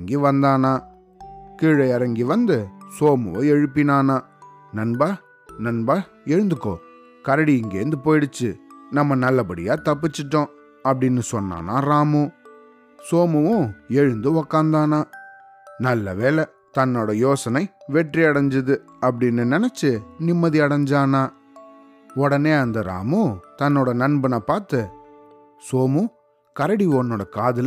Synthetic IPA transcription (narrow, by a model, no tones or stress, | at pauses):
ŋɡiʋɐnd̪aːnaː | kiːɻɐɪɐɾɐŋɡiʋɐnd̪ɯsoːmɐʋʊ̃ɛɻɯpːɪnaːnaː | nɐnbaː | nɐnbaː | ɛɻɯnd̪ɯkːõ̰ː | kɐɾɐɽiɪŋɡḛːɾɯnd̪ɯpoːjɪɽɯt͡ʃːɯnɐmːɐnɐlːɐpɐɽɪ̰jaːt̪ɐp̬ːɪt͡ʃːɯʈːõː | ɐpːɐɽɪnːɯsɔnːa̰ːna̰ːɾaːmʊ̃ | soːmɯʋʊ̃ɛɻɯnd̪ɯɔkːaːnd̪aːnaː | nɐlːɐʋeːlɛ | t̪ɐnːoːɽɐjoːsɐnɐɪʋɛʈriɐɽɐɲd͡ʒɯðɯ | ɐp̬ːɐɽɪnːɯnɛnɛt͡ʃːɯnɪmːɐðiɐɽɐɲd͡ʒaːnaː | ɔɽɐneːɐnd̪ɐɾa̰ːmɯ̃t̪ɐnːoːɽɐnɐnbɯnaːpaːɾt̪ɯ | soːmɯ | kɐɾɐɽiɔnːoːɽɐkaːðɯl